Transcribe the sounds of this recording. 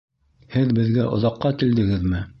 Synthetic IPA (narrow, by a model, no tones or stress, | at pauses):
hɘðbɘ̆ðɡæʔŏ̰ðɑqːɑkild̪ɘ̆ɡɘðmɘ